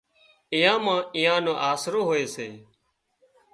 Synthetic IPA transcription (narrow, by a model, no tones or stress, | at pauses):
ɪjãːmãːɪjãːnõːʔaːsɾoːɦoːeːseː